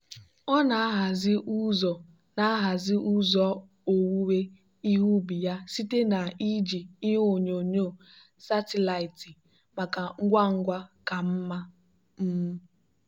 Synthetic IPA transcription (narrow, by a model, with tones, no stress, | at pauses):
ɔ˦na˨a˦ɦa˨zɪ˦ʔu˦zɔ˨ | na˨a˦ɦa˨zɪ˦ʔu˦zɔ˦ | o˨wu˦we˦ | i˦ɦu˦bi˨ja˦si˦te˦na˨i˦d͡ʒi˨i˦ɦo˨ɲo˨ɲo˦˨ | sa˦te˦la˨i˨ti˨ | ma˨ka˨ŋ̩˦ɡʷa˦ŋ̩˦ɡʷa˦ka˨m̩˦ma˦ | m̩˦m̩˦